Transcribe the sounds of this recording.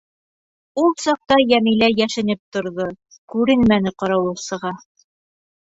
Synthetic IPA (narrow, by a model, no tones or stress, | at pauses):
ulˠsɑq̚t̪ɑjæmilæjæʃɘ̆nɘp̚t̪ŏɾðo | kʉɾɘnmænɘqɑɾɑwɤsɤ̆ʁɑ